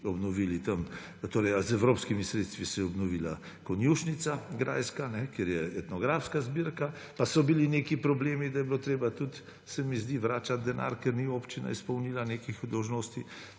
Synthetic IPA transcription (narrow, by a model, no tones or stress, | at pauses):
ɔbnɔʋiːlit̪ɐm | t̪oːɾɛjazɛwɾoːpskimisɾet̪st̪ʋisɛjɛɔbnɔʋila̰ | kɔnjuʃnit̪saɡɾʔa̰ːjskanɛkeːɾjɛɛt̪nɔɡɾaːfskazbiɾka | pasɔbilinekipɾɔbleːmid̪ajɛbilot̪ɾeːbat̪ut̪ | sɛmizd̪iʋɾaːt͡ʃad̪̚d̪ɛna̰ɾkɛɾniopt͡ʃina̰ispɔwnilanekixd̪ɔwʒnoːst̪i